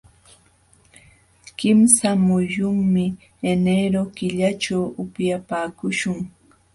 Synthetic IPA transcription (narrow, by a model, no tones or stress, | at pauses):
kɪmsamʊjʊŋmɪ | eneɾokɪʎat͡ʃawʊpjapaːkʊʃʊŋ